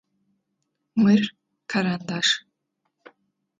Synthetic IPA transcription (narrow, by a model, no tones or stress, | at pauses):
mmɨr | kʰaɾand̪aʂ